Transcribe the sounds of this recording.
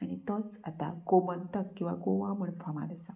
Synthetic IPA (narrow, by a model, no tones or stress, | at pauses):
aɽ̃it̪ɔt͡sat̪a̰ɡomənt̪əkːĩw̃ʋa̰ɡoʋãməɳfʰəma̰d̪əsa